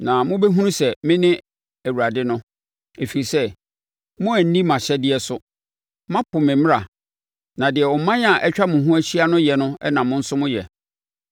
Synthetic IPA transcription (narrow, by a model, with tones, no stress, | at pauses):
nã˨mʊ̃˦bɛ˦ɦũ˦nũ˦sɛ˨mɪ̃˦nɪ̃˦ | æ˨wu˨ɾa˨dɪ˦nʊ̃˦ | e˨fi˨ɾi˨sɛ˦ | mʊ̃˦æ˨n̩˦nĩ˦mã˨ɕɛ˦dɪ˦ɛ˨sʊ˦ | mã˦pʰʊ˨mɪ̃˨m̃˦a˨ | nã˨dɪ˨ɛ˨ɔ˨m˦mã˦n˦a˨ʔɛ˦t͡ɕᶣa˦mʊ̃˨ɦũ˦æ˦ɕi˦a˦nʊ̃˦jɛ˨nʊ̃˦ɛ̰˦nã˨mʊ̃˦n̩˦sʊ˦mʊ̃˦jɛ̰˨